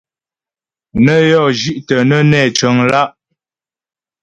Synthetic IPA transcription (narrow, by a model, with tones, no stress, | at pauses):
nə˦jɔ˦˨ʒi˦ʔtə˨nə˦nɛ˦˨t͡ʃə˨˦ŋla˦ʔ